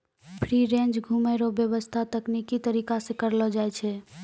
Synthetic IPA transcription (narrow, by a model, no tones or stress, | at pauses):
pʰɾiɾẽnd͡ʒɡʱumeɾobjəβəst̪ʰat̪əknikit̪əɾikasẽkəɾlɔd͡ʒajt͡ʃʰɛ